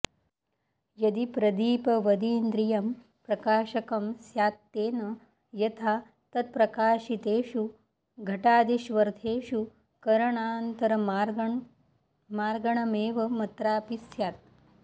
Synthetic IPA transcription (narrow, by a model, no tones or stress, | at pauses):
jɐd̪ipɾɐd̪iːpɐʋɐd̪iːnd̪ɾijɐm | pɾɐkaːʃɐkɐmsjaːt̪ːeːnɐ | jɐt̪ʰaː | t̪ɐt̪̚pɾɐkaːʃit̪eːʃu | ɡʱɐʈaːd̪iʃʋɐɾt̪ʰeːʃu | kɐɾɐɳaːnt̪ɐɾɐɾ | maːɾɡɐɳ̃ɐmeːʋɐmɐt̪ɾaːpisjaːt̪̚